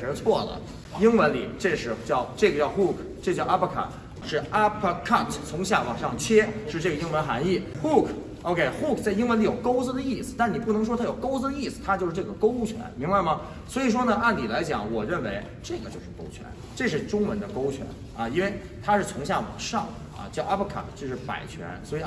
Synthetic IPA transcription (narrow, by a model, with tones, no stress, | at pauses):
ə˧˥t͡sʰwɔ˥˩lə̰˩ | i˥ŋwə˧˥nlḭ˨˩ʈ͡ʂe˥˧ʂɻ̩˥˩t͡ɕjɑ˥˧ʊʈ͡ʂɤ˥˩ɡə˩t͡ɕjɑ˥˧ʊxu˥˩kʰʈ͡ʂɤ˥˧t͡ɕɑ˥˧a˥pʰə˥kʰa̰˨˩n | ʂɻ̩˥˩a˥pʰkʰɑ˥˩ŋt͡sʰʊ˧˥ŋɕja˥˩wɑ̰˨˩ŋʂɑ˥˩ŋt͡ɕʰɥɛ˥ʂɻ̩˥˧ʈ͡ʂɤ˥˩ɡə˩i˥ŋwə˧˥nxa˧˥ni˥˩ | xu˥˩kʰ | o˧˥ʊkʰe˥ɪxu˥˩kʰt͡sa˥˩ɪi˥ŋwə˧˥nli˨˥jo˨˩ʊko˥ʊt͡sɹ̩˧d̪ə˧i˥˩sɹ̩˩˦t̪a˥˩n˨˩p̬u˥˩nɤ˧˥ŋʂ̬wɔ˥t̪ʰa˥˩o˨˩ʊko˥ʊt͡sɹ̩˧d̪ə˧i˥˩sɹ̩˨˩t̪ʰa˥t͡ɕjʊʂɻ̩˥˧ʈ͡ʂɤ˥˩ɡə˩ko˥ʊ˩t͡ɕʰɥɛ̰˧˥nmi˧˥ŋba˧ɪmə˩ | swɔ˧˥i˨˩ʂ̬wɔ˥nə˧a˥˩nt̪i˨˩la˧˥ɪt͡ɕjɑ̰˨˩˥ŋwɔ˨˩ɻə˥˩nwe˧˥ɪ | ʈ͡ʂɤ˥˩ɡə˩t͡ɕjo˥˧ʊʂɻ̩˥˩ko˥ʊt͡ɕʰɥɛ̰˧˥n | ʈ͡ʂɤ˥˧ʂ̬ɻ̩˥˩ʈ͡ʂʊ˥ŋwə˧˥nd̪ə˧ko˥ʊt͡ɕʰɥɛ̰˧˥n | ɐ˧i˥nwe˥˩ɪ | t̪ʰa˥ʂɻ̩˥˩t͡sʰʊ˧˥ŋɕ̬ja˥˩wɑ̰˨˩ŋʂɑ̰˥˩ŋ | ɐ̰˧˩t͡ɕja˥pʰkʰa̰˥˩kt͡ɕjo˥˧ʊʂɻ̩˥˩pa̰˨˩ɪt͡ɕʰɥɛ̰˧˥nswɔ˧˥i˨˩